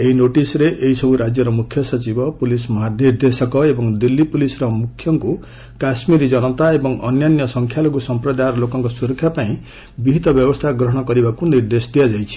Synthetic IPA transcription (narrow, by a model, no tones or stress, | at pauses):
eɦinoʈisɾeʔeɦisɔbʱuɾad͡ʒjɔɾɔmukʰːjɔsʌt͡ʃibɔpulismɔɦaniɾd̪esɔkɔebɔŋd̪ilːipulisɾɔmukʰːjɔŋku | kasmiɾid͡ʒʌnɔt̪aebɔŋɔnjanjɔsɔŋkʰjalɔɡusɔmpɾɔd̪ajɾlokɔŋkɔsuɾɔkʰːjapaĩ | bibʱit̪ɔbjɔbɔst̪ʰaɡɾɔɦɔɽ̃ɔkɔɾibakuniɾd̪esɔd̪ijad͡ʒajt͡ʃʰi̥